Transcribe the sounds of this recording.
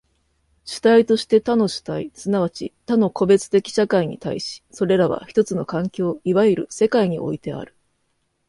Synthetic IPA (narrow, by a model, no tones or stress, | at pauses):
ɕi̥t̪ait̪o̞ɕi̥t̪e̞t̪ano̞ɕi̥t̪aisɨnaβ̞at͡ɕit̪ano̞ko̞be̞t͡sɨ̥t̪e̞kʲi̥ɕakaiɲ̟ḭt̪aiɕi̥so̞ɾe̞ɾaβa̰çi̥t̪o̞t͡sɨno̞kãŋkʲo̞ːiβaiɾɯ̟̰se̞kaiɲ̟iʔo̞̰it̪e̞a̰ɾɯ̟̥